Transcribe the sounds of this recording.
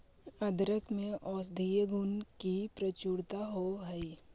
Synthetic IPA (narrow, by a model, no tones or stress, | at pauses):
ɐd̪ɾəkmẽʔɔːs̬d̪ʱijəɡʊnkipɾət͡ʃuɽt̪aɦoɦɐi